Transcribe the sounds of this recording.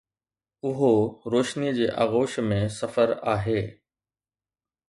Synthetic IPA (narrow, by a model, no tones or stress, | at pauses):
ʊɦoɾoːʃnid͡ʑeːʔa̰ːɣoːʃmẽsɐfəɾaːɦeː